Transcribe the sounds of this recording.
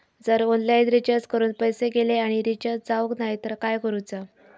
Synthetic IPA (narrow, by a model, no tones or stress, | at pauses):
d͡zəɾɔnlainɾit͡ɕəɾt͡skəɾuːnpəjseɡeleaɽ̃iɾit͡ɕəɾd͡zaʋəknaɦjt̪əɾkajkəɾut͡sa